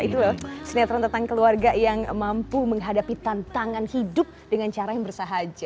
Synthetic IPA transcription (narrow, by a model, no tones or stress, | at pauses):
it̪ulasəniat̪ɾant̪ənt̪aŋkəluarɡajaŋmampuməŋɦadapit̪ant̪aŋanhidʊp̚dəŋant͡ʃaɾajaŋbərsaɦad͡ʒa